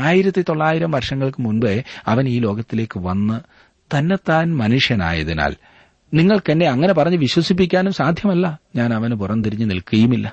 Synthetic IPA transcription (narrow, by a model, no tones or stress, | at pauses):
aːjiɾɐt̪ːit̪o̞ɭːaːjiɾɐmʋɐrʂɐŋːɐɭkɨmunbeɐʋɐniːlo̞ːɡɐt̪ːile̞ːkːɨʋɐnːɨ | t̪ɐnːet̪ːaːnmɐnuʂjɐna̰ːjɐ̰ðina̰ːl | niŋːɐɭke̞nːe̞ɐŋːɐne̞pɐrɐɲːɨʋiɕwɐsip̬ːikʲːaːnumsaːd̪ʱjɐmɐlːɐɲaːnɐʋɐnp̬urɐnːɨt̪iɾiɲːɨnḭlkuɣɐjumilːɐ